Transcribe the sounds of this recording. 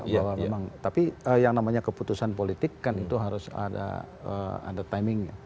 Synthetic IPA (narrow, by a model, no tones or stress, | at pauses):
bawamemaŋt̪apiəjaŋnamaɲakəput̪usanpolit̪ikːanit̪uɦaɾʊsa̰da̰ | ə̰a̰dat̪ajmɪŋɲa